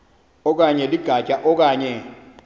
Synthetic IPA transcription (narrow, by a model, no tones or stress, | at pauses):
ɔk̬aɲɛliɡ̥ʱat͡ʃʼaʔɔk̬aːɲɛ